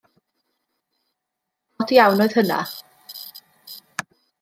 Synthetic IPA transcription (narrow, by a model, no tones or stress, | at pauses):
ɔdijawnɔɨð̥həna̰